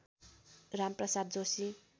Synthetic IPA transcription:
ramprʌsad̪̚d͡zosi

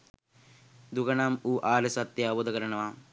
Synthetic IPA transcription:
d̪ukɐnaːmuːʔaːlesɐt̪ːjaːbod̪ɐkɐɾɐnɐʋaː

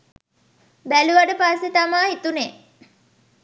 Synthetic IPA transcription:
bæluʋaɖəpasːet̪amaːɦit̪une

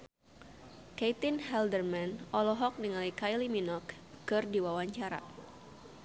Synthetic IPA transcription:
kejt̪inɦɛldərmanʔɔlɔɦɔk̚niŋalikajliminɔkː | ɨrdiwawaɲt͡ʃaɾa̰

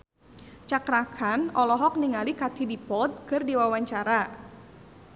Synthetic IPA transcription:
t͡ʃakɾakʰanɔlɔɦɔk̚niŋalikat̪ʰidipɔt̪̚kɨrdiwawaɲt͡ʃaɾa

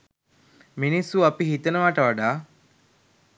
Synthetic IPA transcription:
minisːuɐpiɦit̪ɐnuʋaːʈɐʋaɖaː

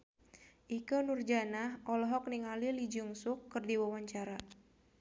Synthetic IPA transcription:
ʔikənurd͡ʒanahʔɔlɔɦɔk̚niŋalilid͡ʒuŋsʊkːɨrdiwawaɲt͡ʃaɾa

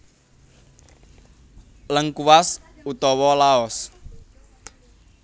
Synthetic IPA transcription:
ləŋkuwas | ut̪ɔwɔlaɔs

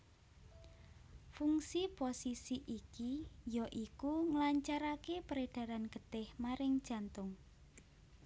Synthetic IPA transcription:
fuŋsiposisiʔikijɔʔikuŋlaɲt͡ʃaɾakepəɾeɖ̥a̤ɾanɡ̥ət̪ɪhmaɾɪŋd̥ʒ̥a̤nt̪ʊŋ

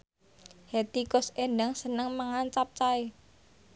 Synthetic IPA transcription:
het̪ikʊsenəŋsənəŋməŋant͡ʃap̚t͡ʃae

